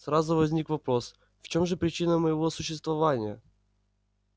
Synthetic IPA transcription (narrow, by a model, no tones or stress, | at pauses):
sɾazʊvɐzʲnʲikvɐpɾo̞s | ft͡ɕo̞mʐɨpɾʲɪt͡ɕinəməjɪvosʊɕːɪst̪vɐvanʲɪjə